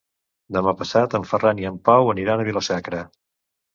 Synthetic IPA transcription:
d̪əmapəsat̪əɱfəraniəmpawəniɾanəβiləsakɾə

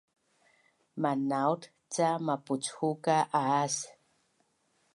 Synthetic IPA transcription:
manawt | t͡samaput͡shukaʔaas

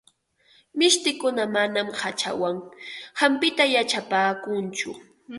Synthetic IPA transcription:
mɪʃt̪ɪkʊnamanamhat͡ʃa̰waŋhampɪt̪ajat͡ʃapaːkʊnt͡ʃʊ̰

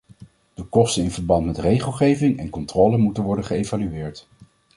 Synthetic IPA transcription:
d̥əkɔstənɪnvəɹbɑntmɛtrejχəlˠχejvɪŋɛnkɔntrɔːlənmutənʋɔɹdəχəejvalyɪːɹt

